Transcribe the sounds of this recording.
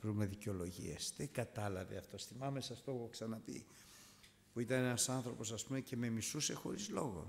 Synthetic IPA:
vɾume̞ðiceo̞lo̞ʝḭesðeŋɡɐt̪ɐlɐvḛɐft̪o̞sθimɐmesɐst̪oxoksɐnɐpḭ | puit̪ɐnenɐsɐnθɾo̞po̞sɐspume̞ce̞me̞misuse̞xo̞̰ɾizlo̞ɣo̞̰

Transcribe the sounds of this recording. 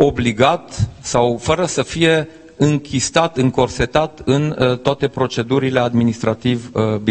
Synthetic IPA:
o̞bliɡat̪sawfəɾəsəfije̞ | ɨŋkʲist̪at̪ɨŋko̞rse̞t̪at̪ɨnt̪oat̪e̞pɾo̞t͡ʃe̞d̪uɾile̞ad̪minist̪ɾat̪ivb

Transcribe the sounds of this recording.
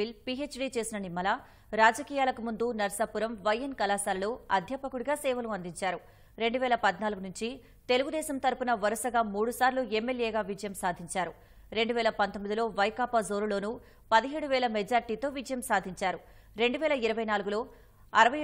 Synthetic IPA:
ilpieːt͡ʃɖiːt͡ʃe̞ːsinɐnimːɐla | ɾaːd͡ʒɐkiːjaːlɐkumund̪unɐɾɐsapuɾɐmʋɐjːɐnkɐlaːsaːɾluːɐd̪ʱjɐpɐkuɽiɡaːsɛːʋɐluɐnd̪iɲt͡ʃaːɾu | ɾe̞ɳɖuʋɛːlɐpɐd̪naːluɡunuɲt͡ʃi | t̪e̞luɡud̪ɛːsɐmt̪ɐɾpunɐʋɐɾɐsɐɡaːmuːɽusaːɾluɛmːeljeːɡaːʋid͡ʒɐjɐmsaːd̪ʱiɲt͡ʃaːɾu | ɾe̞ɳɖuʋɛːlɐpɐnt̪omːid̪ilo̞ːʋɐjkaːpɐzoːɾulo̞ːnu | pɐd̪iɦeːɽuʋɛːlɐmɛd͡ʒaːɾʈiːt̪o̞ːʋid͡ʒɐjɐmsaːd̪ʱiɲt͡ʃaːɾu | ɾe̞ɳɖuʋɛːlɐiɾɐʋɐjnaːluɡulo̞ː | ɐɾɐʋɐ

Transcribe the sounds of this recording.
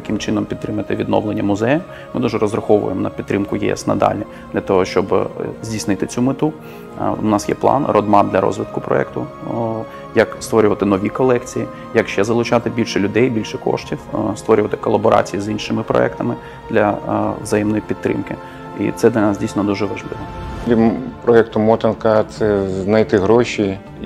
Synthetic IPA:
t̪ɐkɪmt͡ʃɪnɔmpʲid̪ɾɪmɐt̪ɪʋʲid̪nɔ̰ʋlˠenʲːɐmʊzɛjɐm | mɪd̪uʒɛɾɔzɾɐxɔʋʊ̰jḛmnɐpʲid̪ɾɪmkʊjɛ̰ɛ̰snɐ̰d̪ɑ̰lʲi | d̪̥lʲɐt̪ɔɦɔʃt͡ʃɔbzʲdʲijsnɪt̪ɪt͡sʲumɪt̪u | ʊnɑsjɛ̰plˠɑ̰nrʔɔd̪mɑd̪lʲɐɾɔ̰zʋɪt̪kʊpɾɔ̰ɛ̰kt̪ʊ | jɐkst̪ʋɔɾʲʊʋɐt̪ɪnɔʋʲikɔlˠɛkt͡sʲiji | jɐkʃɛzɐlˠʊt͡ʃɑt̪ɪbʲilʲʃɛlʲʊd̪ɛjbʲilʲʃɛkɔ̰ʂtʲiwst̪ʋɔɾʲʊʋɐt̪ɪ̥kɔlˠɐbɔɾʔɑ̰t͡sʲijizinʃɪmɪpɾɔ̰ɛkt̪ɐmɪ | d̪lʲɐʋzɐjɛmnɔjipʲid̪t̪ːɾɪ̰mkɪ̰ | ḭt̪sɛd̪lʲɐnɑsdʲijsʲnɔd̪uʒɛʋɐʒlˠɪ̰ʋɔipɾɔɛkt̪ʊmɔt̪ɪnkɐt̪sɛznɐjt̪ɪɦɾɔʃʲi

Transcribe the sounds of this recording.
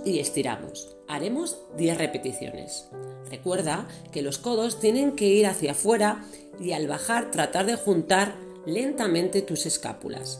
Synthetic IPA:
ie̞st̪iɾa̰mo̞̰s | aɾe̞mo̞z | d̪je̞θre̞pe̞t̪iθjo̞̰ne̞̰sre̞kwe̞ɾð̞a | ke̞lo̞sko̞ðo̞st̪je̞nẽ̞ŋke̞iɾaθjafwe̞ɾa | ialβaxaɾt̪ɾat̪aɾðe̞xunt̪aɾ | le̞nt̪amẽnt̪e̞t̪use̞ska̰pṵla̰s

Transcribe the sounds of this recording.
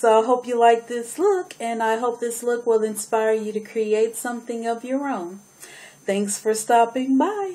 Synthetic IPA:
soʊaɪɦoʊpjɨlaɪk̚ðɪslʊkʰɨ̃naɪɦoʊp̚ðɪslʊkwɪlˠɨ̃nspaɪə˞jɨɾɨkʰɹ̥ieɪtsʌ̃mθɪ̃ŋʌvjə˞õʊ̃n | θæ̃ŋksfə˞stɑpɪ̃ŋmaɪ

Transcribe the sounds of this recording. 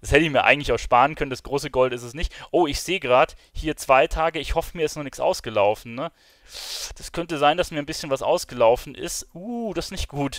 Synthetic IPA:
d̥ashɛtəɪçmiːɐʔa̰ɪŋ̩tlɪçaʊxʃpaːʁən̩kʰœnəndasɡ̥ʁoːsəɡɔltɪstɛsnɪçtʔoːɪçz̥eːəɡʁaːt | hiːɐt͡sv̥aɪtʰaːɡəɪçhɔfəmiɐɪstnɔχnɪksʔa̰ʊsɡ̥əlaʊfn̩ːə | d̥askʰœntəzaɪndasmiɐnbɪsçənvasʔa̰ʊsɡ̥əlaʊfn̩ʔɪ̰stʔuːd̥asnɪçt̚ɡ̥uːt

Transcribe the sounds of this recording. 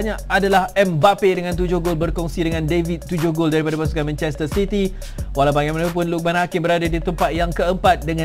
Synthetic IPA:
ɲaadalahɛmbapedəŋãnt̪̬ud͡ʒʊhɡolbərkɔŋsidəŋãndevit̪t̪ːud͡ʒʊhɡoldaɾipadapasukanmɛ̃nt͡ʃɛs̬t̪ərsit̪i | walabaɡamanap̬ʊnluk̚banhakɪmbəɾadadit̪əmpat̪̚jaŋkəəmpat̪̚dəŋã

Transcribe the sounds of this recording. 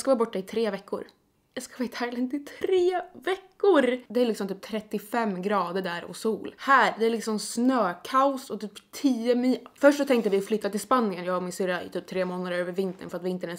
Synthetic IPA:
skavɑːbɔʈːaɪt̪ʰɾeːvɛkːʊ̰ɾ | jaskafɪt̪hæːɾɡlɪt̪ɪt̪ʰɾeːvɛkːʊɾd̪ɛæɾlɪksɔmt̪yːp̚t̪ʰɾɛt̪ːɪfɛmːɡɾɑːd̪əɖæːɾɔ̰suːlhæːɾd̪ɛæɾlɪksɔmsnøːkʰaʊsɔt̪yːpt̪ʰiːɛmifœʂʈsɔt̪ʰɛŋk̚t̪əvɪflʏt̪ːat̪ɪlspanːɪənjɑːvaɾmɪnsʏɾaɪ̰t̪yːp̚t̪ʰɾeːmoːnad̪əɾøːvəɾvɪnt̪ə̰nfœɾat̪vɪɪnt̪ːəɳɛ

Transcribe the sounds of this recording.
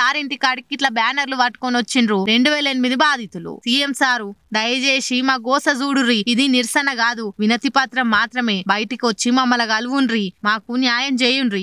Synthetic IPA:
saːɾiɳʈikaʈikːiʈlɐbaːnɐɾluʋɐʈ̚konʋɐt͡ʃːinɾuːɾe̞ɳɖuʋɛːlɐenimid̪ibaːd̪ʱit̪ulṵsiemsaːɾud̪ɐjɐd͡ʒeːsimaːɡɔːsɐd͡ʒuːɽuɾiid̪iniɾsɐnɐɡaːd̪uʋinɐt̪ipat̪ɾɐmːaːt̪ɾɐme̞ːbɐjʈikiʋɐt͡ʃːimɐmːɐlɐɡɐluʋunɾimaːkunjaːjɐmt͡ʃeːjunɾi

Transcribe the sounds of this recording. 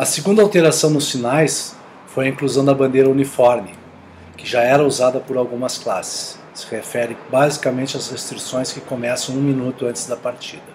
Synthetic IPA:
ɐseɡũnd̪ɐawt̪eɾasɐ̃w̃nʊsfinajs | fojɐĩŋkluzɐ̃w̃d̪ɐbɐ̃nd̪ejɾɐunifɔɾmɪ | kɪʒaɛɾɐuzad̪ɐpʊɾawɡũmɐsklasɪ̥s | sɪhefɛɾɪbazikɐmẽnt͡ʃɪɐzʁest̪ɾisõj̃skɪkomɛsɐ̃w̃ũmĩnut̪ʊɐ̃nt͡ʃ̪ɪzd̪ɐpaɾt͡ʃid̪ɐ

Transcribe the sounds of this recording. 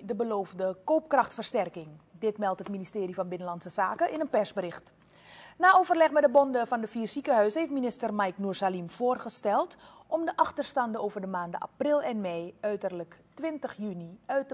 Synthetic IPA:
dəbəloːvdəkoːp̚krɑxtfərstɛrkɪŋdɪtmɛlˠtɦətministɪːɾifɑnbɪnəlɑnsəzaːkəʔɪnənpɛrsbərɪxt | naːʔoːvərlɛxmɛdəbɔndəfɑndəfiːrsikəɦœɥsəheftminɪstərmajknursalimfoːrχəstɛlˠt | ʔɔmdəʔɑxtərstɑndəoːwvərdəmaːndəʔa̰prɪlˠɛnmejœɥtərləktʋɪntəxjyniœɥtə

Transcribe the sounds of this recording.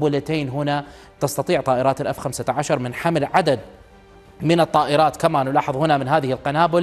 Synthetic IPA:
bʊlat̪eːnɦʊna | t̪ɑst̪ɑt̪ˤiːʕt̪ˤɑːʔɪɾɑːt̪alʔafxamsaʕaʃɑɾˤmɪnħamɪlʕad̪ad̪̚ | mɪnɨt̪ˤːɑːʔɪɾɑːt̪kamanlɑːħəðˤhʊnamɪnɦaːðɪhɪlqanaːbʊl

